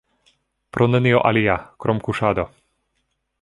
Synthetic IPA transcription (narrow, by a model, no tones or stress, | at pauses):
pɾʔɔnɛniɔʔaliakɾɔmkuʃaːd̪ɔ